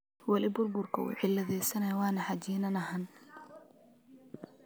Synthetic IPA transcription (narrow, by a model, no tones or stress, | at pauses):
wɐlɪbʊrbʊrkʰɐṵːʕɪlɐðɛjsɐnɐjawɑːnɐħad͡ʒiːnɐnɐɦɐn